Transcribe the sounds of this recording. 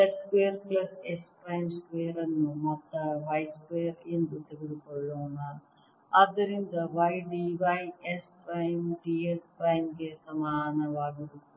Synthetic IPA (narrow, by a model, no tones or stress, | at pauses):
eskeːɐɾkɭɐsespɾɐjmskʋeːɐɾɐnːumɐt̪ːɐʋɐjskeːɐɾend̪ut̪eɡiɽukːoɭːoːnːɐ | ɐd̪ɐɾind̪ɐʋɐjɖiːʋɐjespɾɐjmɖiːespɾɐjmɡesɐmaːnɐʋaːɡiɽu